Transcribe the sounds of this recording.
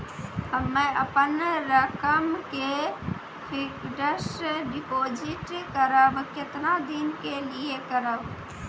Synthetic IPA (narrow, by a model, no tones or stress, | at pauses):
hɐmːẽʔɐpənɾɐkəmke | pʰɪkɖəʃɖɪpoːd͡ʒɪʈkəɾəbkɪt̪nad̪inkeliekəɾəb